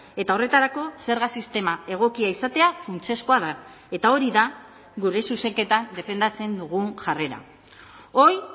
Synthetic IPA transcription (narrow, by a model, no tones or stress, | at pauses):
e̞t̪ao̞re̞t̪aɾako̞se̞ɾɣasist̪e̞mae̞ɣ̞o̞kiaisat̪e̞afunt͡se̞sko̞aða | e̞t̪ao̞ɾiða | ɣuɾe̞suse̞ŋke̞t̪and̪e̞fe̞nd̪at͡se̞nd̪uɣ̞uŋʝare̞ɾa̰ | o̞j